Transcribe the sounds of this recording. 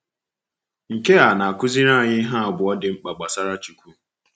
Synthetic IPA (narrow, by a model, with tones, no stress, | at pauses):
ŋ̩˨ke˦a˨na˨a˨kʊ˦zi˦ɾa˦˨ɲɪ˦ɦa˦a˨bʊ˨ɔ˦dɪ˨ŋ͡m̩˦k͡pa˨ɡ͡ba˨sa˦ɾa˦t͡ʃu˨kʷu˦